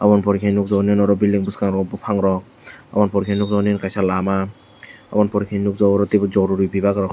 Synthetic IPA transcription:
abɔnpɔɾikʰajnuk̚zɔninɔɾɔbildiŋbuskaŋɾɔbupʰaŋɾɔk̚ | a̰bɔnpɔɾikʰanuk̚zɔnenkajsalama | a̰bɔnpɔɾikʰanukzɔwɔɾɔtibɯzɔɾuɾibibakɾɔk

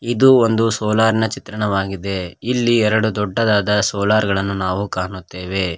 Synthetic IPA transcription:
id̪uond̪usɔːlaːɾinɐt͡ʃit̪ɾɐɳɐʋaːɡid̪e̞ilːiɛɾɐɽud̪ɔɖːɐd̪aːd̪ɐsɔːlaːɾɡɐɭɐnːunaːʋukaːnut̪ːe̞ːʋe̞

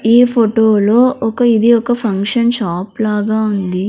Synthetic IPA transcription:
iːpʰoʈoːloːʔɔkɐid̪iɔkɐpʰɐŋkʂɐnʃaːplaːɡaːund̪i

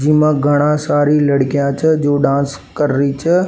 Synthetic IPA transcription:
d͡ʒiːmãɡʱɐɽ̃ãsaːɾilɐɽkijãt͡ʃʰəd͡ʒoːɖãːns | kɐɾːit͡ʃʰə

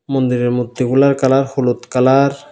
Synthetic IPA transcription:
mond̪iɾeɾmut̪ːikulaɾkalaɾhulot̪kalaɾ

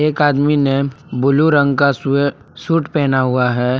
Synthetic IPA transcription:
eːkaːd̪minebʊluɾə̃ŋɡka | suːʈpɛːnaɦʊaɦɛː

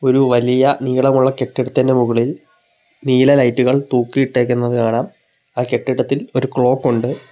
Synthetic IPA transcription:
o̞ɾuʋɐlijɐniːɭɐmuɭːɐke̞ʈːiɽɐt̪ːindemuɣɐɭil | niːlɐlɐjtːuɣɐɭt̪uːkːijiʈːe̞ːk̬ʲːunːɐðɨkaːɳaːm | aːke̞ʈːiɽɐt̪ːilo̞ɾukɭo̞ːkːoɳɖɨ

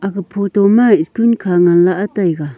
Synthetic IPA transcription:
ʔakapʰot̪omaɪskunkʰaŋanlaʔat̪ajɡa

